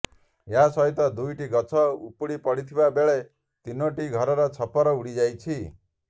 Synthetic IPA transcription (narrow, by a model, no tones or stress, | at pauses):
jasɔɦit̪ɔd̪ujʈiɡʌt͡ʃʰɔupuɽipɔɽit̪ʰibabeɭe | t̪inoʈiɡʱɔɾɔɾɔt͡ʃʰɔpɔɾɔuɽid͡ʒajt͡ʃʰi